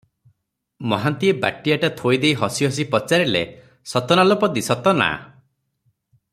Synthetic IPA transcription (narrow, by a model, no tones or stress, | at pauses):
mɔɦant̪ieba̰ʈijaʈat̪ʰojd̪ejɦɔsiɦɔs̬ipɔt͡ʃaɾilḛ | sɔt̪ɔnalɔpɔd̪isɔt̪ɔna̰